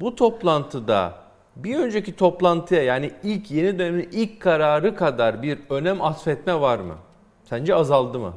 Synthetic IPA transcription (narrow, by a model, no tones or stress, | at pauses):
but̪ʰo̞plˠant̪ʰɯd̪a̰ | biø̞nd͡ʒecit̪ʰo̞plˠant̪ʰɯjajaːniilʲcʰje̞nid̪ø̞neminilʲckʰːaɾaːɾɯkʰad̪aɾbiɾø̞næmat̪fɛt̪mɛvaɾmɯ̰ | sænd͡ʒɛazalˠd̪ɯmɯ̰